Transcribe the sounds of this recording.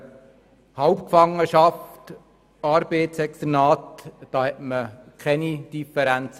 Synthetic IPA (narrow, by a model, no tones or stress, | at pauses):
hɑwpkfɑŋːəʃɑft | ɑːɾbeɪt̪sɛkst̪ənɑːtd̥ɑːhɛtməkʰɛnid̥ifəɾænt͡s